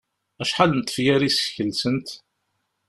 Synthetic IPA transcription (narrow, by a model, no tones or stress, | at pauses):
æʃħalənt̪ˤːə̥fjæɾisə̥çəlsənt̪